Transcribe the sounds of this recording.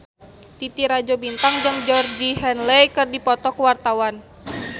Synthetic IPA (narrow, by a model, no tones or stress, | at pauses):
t̪it̪iɾad͡ʒobint̪aŋd͡ʒɨŋd͡ʒɔrd͡ʒiɦɛnlɛjkɨrdipɔt̪ɔkwart̪awan